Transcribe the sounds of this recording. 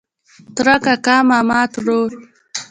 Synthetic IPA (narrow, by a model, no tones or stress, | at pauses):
t̪ɾakakaːmamaːt̪ɾoɾ